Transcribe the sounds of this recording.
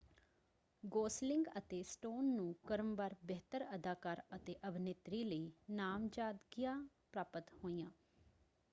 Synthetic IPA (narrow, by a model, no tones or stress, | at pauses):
ɡoːslɪŋɡət̪eːsʈoːnːũːkəɾəmbəɾbɛːt̪əɾəd̪aːkaːɾət̪eːʔəbʱɪnet̪ɾiːləiːnaːmd͡ʒaːd̪ɡijãː | pɾaːpət̪hoːiːjãː